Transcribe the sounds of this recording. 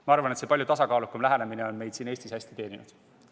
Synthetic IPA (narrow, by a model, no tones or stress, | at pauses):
mɑɑrvɑne̞t̪seːpɑlʲjut̪ɑsɑkɑːlukːumlæɦænemineo̞nme̞jd̪siːne̞ːsʲt̪ishæsʲt̪i̥t̪e̞ːnʲinud̪̥